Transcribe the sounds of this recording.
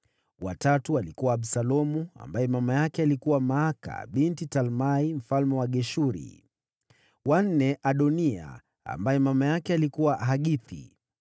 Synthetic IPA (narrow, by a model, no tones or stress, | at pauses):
watatualikuwaːɓsalɔmua̰mbajɛmamajakɛalikuwamaaka̰ɓintitalmaim̩falmɛwaɠɛʃuɾḭ | wan̩nɛʔaɗɔnia̰ | a̰mbajɛmamajakɛalikuwaɦaɠiθḭ